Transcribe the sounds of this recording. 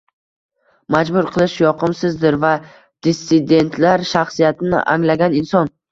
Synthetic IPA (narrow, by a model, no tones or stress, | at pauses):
mad͡ʒbʊɾqʰɨlˠɪʃjɒqʰɨmsɪzd̪ɪɾva | d̪̥esːɪd̪e̞nt̪ʰlaɾʃaχsijat̪ɪnɪ̰ʔa̰ŋlaɡʲanɪnsɒn